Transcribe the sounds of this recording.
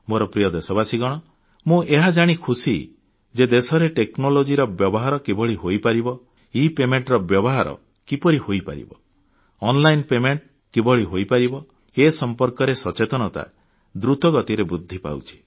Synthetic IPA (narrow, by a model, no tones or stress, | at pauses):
moɾɔpɾijɔd̪esɔβasiɡɔɽ̃ɔ | mũʔeɦad͡ʒaɽ̃ikʰusḭ | d͡ʒed̪esɔɾeʈeknolod͡ʒiɾɔbjɔbɔɦaɾɔkibʱɔɭiɦojpaɾibɔ | ipemeɳʈɾɔbjɔbɔɦaɾɔ̰ | kipɔɾihojpa̰ɾḭbɔː | nlajnpemeɳʈ | kibɔɭiɦojpaɾibɔ | esɔmpɔɾkɔɾesɔt͡ʃet̪ɔnɔt̪a̰ | d̪ɾut̪ɔɡɔt̪iɾebud̪ʱːipa̰wt͡ʃʰi̥